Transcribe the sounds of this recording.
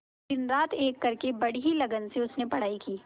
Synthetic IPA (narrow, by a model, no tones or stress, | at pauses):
d̪ɪnɾaːt̪ʰeːkːɐɾkebɐɽ̤iɦilɐɡənseʊsnepɐɽ̤aːikiː